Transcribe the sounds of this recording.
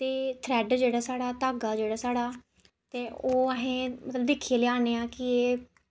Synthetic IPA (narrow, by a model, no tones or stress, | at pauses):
t̪eːt̪ʰɾɛːɖd͡ʒeːɽaːsaːɽaːt̪aːɡaːd͡ʒeːɽaːsaːɽaː | t̪eːoːəɦẽːmət̪ləbd̪eːkʰːieːleːaːneːãːkɪeː